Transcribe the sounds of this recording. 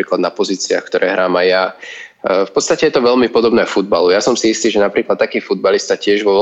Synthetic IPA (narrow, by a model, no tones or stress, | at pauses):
ɾiːklad̪napɔziːt͡sia̰xkt̪ɔɾʔɛːɦɾaːmajja | fpɔt̪st̪acɛjɛt̪ɔʋɛlmipɔd̪ɔbnɛːfud̪̚balujasɔmsiist̪iːʒɛnapɾiːklat̪t̪ːakiːfud̪̚balist̪acɪɛʒʋɔʋ